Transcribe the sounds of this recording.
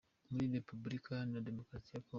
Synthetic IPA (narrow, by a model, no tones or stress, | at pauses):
muliɾɛpublikanadɛmɔkɾasiakɔ